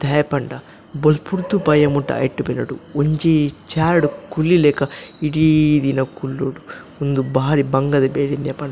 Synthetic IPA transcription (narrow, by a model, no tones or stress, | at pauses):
d̪ɐjɐpɐɳɖɐ | bolpʰuɾt̪upɐjɐmuʈːɐ̰jʈːubenɐɽuoɲt͡ʃit͡ʃaːɾɖukulːilɛːkɐiɽid̪inɐkulːoːɽu | und̪ubaːɾibɐŋɡɐd̪ɐbeːɽind̪ijɐpɐɳɖɐ